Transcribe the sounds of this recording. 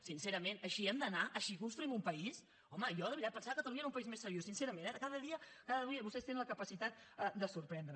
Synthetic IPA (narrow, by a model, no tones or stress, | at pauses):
sinseɾəmenəʃiɛmd̪ənaʔəʃikunst̪ɾuimumpəis | ɔməjɔðəiɾat̪̚pənsaəkət̪əluɲaeɾumpəizmesːəɾjosinsɛɾəmẽnɛkaðəðiəkaðəðuiɲəβust̪ɛst̪enə̃nləkəpəsit̪at̪̚əd̪əsuɾpɾɛnd̪ɾə